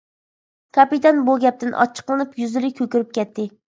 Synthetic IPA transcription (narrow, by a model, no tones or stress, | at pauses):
kʰɑpit̪ɑnbuɡʲɛp̚t̪ʰɪnʔɑ̰t͡ʃʰːə̥qlˠɨnɨpjyzɪɾɪkʲʰøkʲyɾyp̚kʲɛt̪ʰːɪ